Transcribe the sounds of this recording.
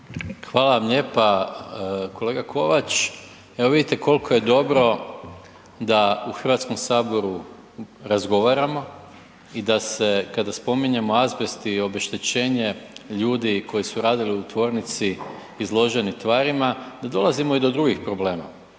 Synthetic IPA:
xʋaːlaʋamʎe̞ːpa | kʰo̞le̞ːɡakʰo̞ʋat͡ʃ | eʋo̞ʋid̪it̪eko̞lko̞je̞d̪o̞bɾo̞ | d̪auxr̩ʋat̪sko̞msaːbo̞ɾu | ɾazɡo̞ʋaɾamo̞ | id̪ase̞kad̪aspo̞miɲe̞mo̞azbest̪io̞be̞ʃt̪et͡ɕe̞ːɲe̞ʎuːd̪ikʰo̞jisuɾaːd̪iliut̪ʋo̞ːɾnit̪si | izlˠo̞ʒe̞nit̪ʋaːɾimad̪ad̪o̞lˠazimo̞id̪o̞d̪ɾuɡixpɾo̞ble̞ːma̰

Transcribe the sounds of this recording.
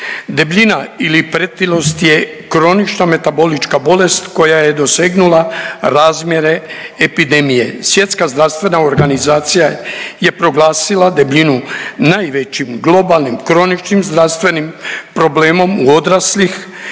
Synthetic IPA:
d̪e̞bʎinailipɾet̪ilo̞st̪je̞ | kɾo̞nit͡ʃname̞t̪abo̞lit͡ʃkabo̞le̞st̪ko̞jaje̞d̪o̞seːɡnulaɾaːzmje̞ɾe̞epid̪e̞mije̞̰sʋje̞t̪skazd̪ɾaʋst̪ʋe̞naoɾɡanizaːt̪sijaje̞pɾo̞ɡlˠaːsilad̪e̞bʎinunajʋet͡ɕimɡlˠo̞balˠnimkɾo̞nit͡ʃnimzd̪ɾaʋst̪ʋe̞nimpɾo̞bleːmo̞muo̞d̪ɾaslix

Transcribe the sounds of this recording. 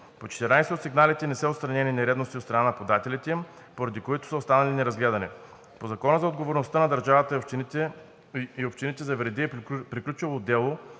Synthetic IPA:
pot͡ʃɛ̥t̪ɛɾnajsot̪siɡnalit̪ɛnɛsəot̪st̪ɾɐnɛninɛɾɛd̪nost̪iot̪st̪ɾɐnanɐpod̪at̪ɛlʲit̪ɛ | poɾɐd̪ikoit̪ʊ̥səost̪anɐlinɛɾɐzɡlɛd̪ɐnɛ | pozɐkɔnəzɐod̪ɡovoɾnost̪ənɐd̪ɐɾʒavət̪ə | iopʃt̪init̪ɛzɐvɾɛd̪ipɾiklʲut͡ʃɛvod̪ɛlˠo

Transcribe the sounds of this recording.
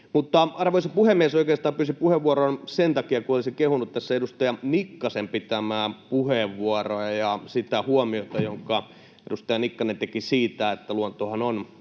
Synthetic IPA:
mut̪ːɑɑrʋoisepuhemːiesoikeːst̪ɑːpyːsipuheʋʋuoroːnsent̪ɑkiɑkuolisikehunut̪t̪æsːæedust̪ɑjɑnikːɑsempit̪æmæːpuheʋːuorojɑjɑsit̪æhuomiot̪ɑjoŋkɑ | edust̪ɑjɑnikːɑnent̪ekisiːt̪æet̪ːæluont̪ohɑnon

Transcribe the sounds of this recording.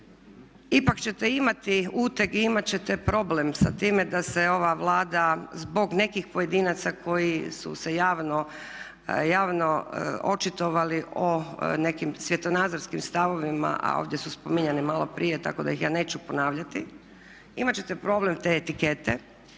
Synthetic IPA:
ipakt͡ɕe̞t̪eimat̪iuːt̪ekiimat͡ɕe̞t̪epɾo̞ːblemsat̪iːme̞d̪ase̞o̞ʋaʋlˠaːd̪azbo̞ɡne̞kixpoje̞d̪iːnat̪sakʰo̞jisṵsejaːʋno | jaːʋnoo̞t͡ʃit̪oʋaliʔone̞kimsʋje̞t̪o̞naːd̪zoɾskimst̪aʋo̞ʋima̰ʔa̰o̰ːʋd̪je̞suspo̞miɲanimalo̞pɾʔijet̪a̰ko̞d̪a̰jixjaːne̞ːt͡ɕupo̞naːʋʎat̪i | ḭmat͡ɕe̞t̪epɾoble̞mt̪e̞ːt̪ike̞t̪e

